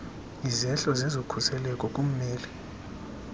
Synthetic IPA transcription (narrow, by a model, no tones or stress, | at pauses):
izɛɬɔzezokʰusɛlɛkʼɔkʼum̩mɛːli